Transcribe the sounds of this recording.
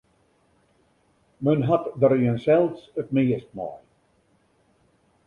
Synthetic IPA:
mənɦatdərjənsɛlˠsətmɪːəst̚mɔ̰j

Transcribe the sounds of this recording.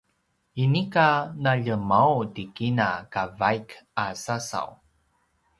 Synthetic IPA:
inikanaʎəmawtikinakavajkasasa̰w

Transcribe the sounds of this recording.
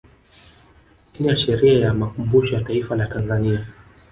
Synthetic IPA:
iniaʃɛɾiajamakumbuʃɔjataifalatanzania

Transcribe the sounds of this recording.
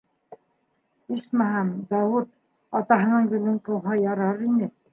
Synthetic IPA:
ismæɦæmd̪ɑwut̪̚ | ɑt̪ɑɦɤ̆nɤɴɡɵ̆lɘɴqɤ̆w̪ˠɦɑjɑɾɤɾinɘ

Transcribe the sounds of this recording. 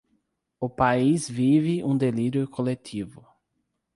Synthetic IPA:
ʊpaizvivɪũd̪eliɾjʊkʰolet̪ʰivʊ

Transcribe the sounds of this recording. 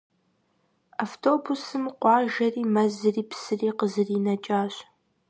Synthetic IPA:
aftʰoːbusɨmqʷɑːʒɐriːmɐzɨriːpʰsɨriːqəzɨriːnɐt͡ʃʼaːɕʼ

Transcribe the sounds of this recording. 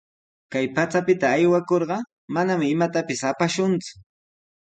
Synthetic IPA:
kajpat͡sapɪt̪aːjwakoɾɢɑ | manamɪɪmat̪apɪsapaʃʊnt͡sʊ̥

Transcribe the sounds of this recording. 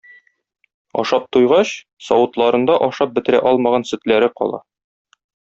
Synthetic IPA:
ɒ̰ʃɑp̚t̪ujʁɑɕ | sɒwɤ̆t̪lˠɑɾɤ̆nd̪ɑʔɒʃɑp̚bɘ̆t̪ɘ̆ɾæ̰ʔɒlˠmɑʁɑnsɵ̆t̪læɾɘqɒ̰lˠɑ̰

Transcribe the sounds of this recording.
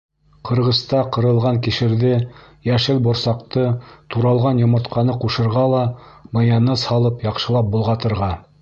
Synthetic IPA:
qʰɤ̆ɾʁɤ̆st̪ɑqɤ̆ɾɤ̆lˠʁɑŋkiʃɘ̆ɾðɘ | jæʃɘlbŏɾsɑqt̪ɤt̪uɾɑlˠʁɑnjŏmɤ̆ɾt̪qʰɑnɤquʃɤ̆ɾʁɑlˠɑmɤ̆jɑnɤshɑlˠɤpjɑqʃɤ̆lˠɑp̚bulˠʁɑt̪ɤ̆ɾʁɑ

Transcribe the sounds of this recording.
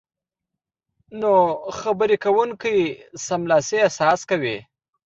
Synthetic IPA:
noxabəɾekawuŋkajsamlɑseasɑskawi

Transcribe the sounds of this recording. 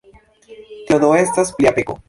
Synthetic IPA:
t̪eod̪oestaspliapeko̰

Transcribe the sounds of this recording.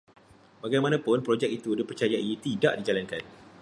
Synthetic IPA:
baɡajmãnãpʊnpɾod͡ʒɛk̚it̪udipərt͡ʃajaʔit̪idaʔdid͡ʒalankan

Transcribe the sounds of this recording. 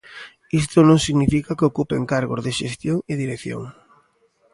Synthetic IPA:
ist̪onõŋsiɣnifikakeokupeŋkaɾɣo̰zðeʃest̪joŋeðiɾekθjo̰ŋ

